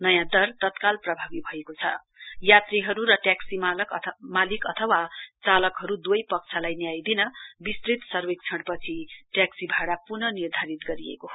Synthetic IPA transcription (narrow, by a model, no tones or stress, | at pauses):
nʌjãd̪ʌrt̪ʌt̪kalprʌbʱabibʱʌekot͡sʰʌ̰ | jat̪riɦʌɾuɾʌʈjaksimkmalikʌt̪ʰʌwat͡salʌkɦʌɾud̪wʌjpʌk̚t͡sʰalajnjajd̪inʌbist̪rit̪sʌrwek̚t͡sʰʌɽpʌt͡sʰiʈjaksibʱaɽapunʌnird̪ʱaɾit̪ɡʌɾiḛkoɦ